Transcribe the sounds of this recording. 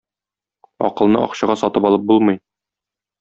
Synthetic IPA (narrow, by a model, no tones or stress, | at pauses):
ɒ̰qɤ̆lˠnɤɒ̰qɕɤ̆ʁɑsɒt̪ɤpɒlˠɤp̚bulˠmɤ̆j